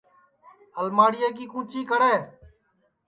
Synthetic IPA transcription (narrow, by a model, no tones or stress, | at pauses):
əlmaːɽɪjeːk̬iːkũːt͡ʃiːkəɽeː